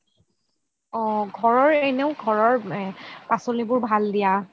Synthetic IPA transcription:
ɔ̃ɡʱɔɹɔɹeneʊɡʱɔɹɔɹpasolibʊɹbʱaldija

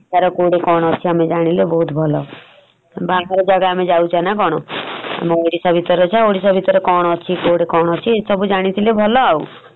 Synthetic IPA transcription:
t͡ʃaɾɔkoɽekɔɽ̃ɔt͡ʃʰiaːmed͡ʒaɽ̃ilebɔɦut̪bʱɔlɔ | baːkɾɔd͡ʒaɡaaːmed͡ʒaut͡ʃanak̬ɔɽ̃ɔa̰meoɽisabʱit̪ɔɾɔt͡ʃʰaoɽisɔbʱit̪ɔɾekɔɽ̃t͡ʃʰikoɽekɔɽ̃ɔt͡ʃʰisɔbud͡ʒaɽ̃it̪ʰilebʱɔlɔau

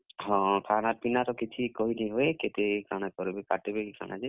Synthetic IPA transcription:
ɦɔ̃kʰaɽ̃aɾpinaɾɔkit͡ʃʰikɔɦiniɦoeket̪ekaɽ̃akɔɾebekaʈebekikʰa̰ɽ̃a̰d͡ʒe

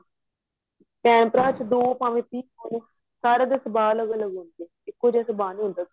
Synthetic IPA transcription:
kɛːmpɾaːt͡ʃd̪oːpaːʋẽːp̪iːkaːnː | saːɾəɡ̪esəbaːləɡələɡõːnd̪eː | ɪkːoːd͡ʒɛːsəbaːnũɦʊnd̪aː

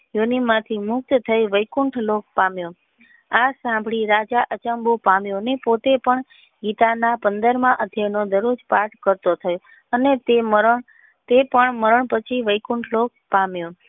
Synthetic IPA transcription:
jonimːãt̪ʰimʊk̚t̪t̪ʰəjʋəjkuɳʈʰlok̚pamjõ | asãmbʱɽiɾad͡ʒaʔət͡ʃəmbopamjõnepot̪epəɳ | ɡit̪anapənd̪əɾmãʔəd̪ʱjanod̪əɾod͡ʒpaʈʰkəɾt̪ot̪ʰəjo | ənet̪eməɾɳ | t̪epəɳməɾəɳpət͡ʃʰiʋəjkuɳʈʰlok̚pamjõ

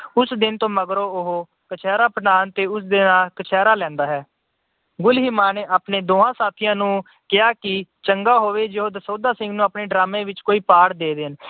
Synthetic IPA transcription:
ʊsd̪ɪnt̪õːməɡɾoːʊɦoː | kət͡ʃʰɛːɾaːpnaːnt̪eːʊs̬d̪enaːlkət͡ʃʰɛːɾaːlɛ̃ːnd̪aːɦɛː | ɡʊlɦiːmaːneːʔaːpneːd̪oːãːsaːt̪ʰijãːnũː | kɪaːkɪt͡ʃəŋɡaːɦoːʋeːd͡ʒeɦoːd̪əsoːd̪aːsɪ̃ŋɡnũːaːpneːɖɾaːmẽːʋɪt͡ʃkoːiːpaːɽd̪eːd̪ɪn

